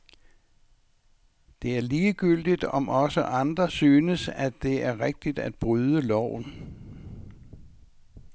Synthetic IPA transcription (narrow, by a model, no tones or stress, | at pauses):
d̥e̝æɐliːɡ̥yl̰d̥id̥ɒ̽mʔɒ̽səʔɑ̈nd̥ʁɐsyːnəsæ̥e̝æɐʁeɡ̥̚d̥id̥æd̥̚b̥ʁyːð̞ˠəlɒʊ̰n